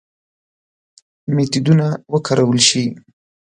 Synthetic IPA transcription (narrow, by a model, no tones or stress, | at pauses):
met̪id̪unawəkʰaɾawəlʃi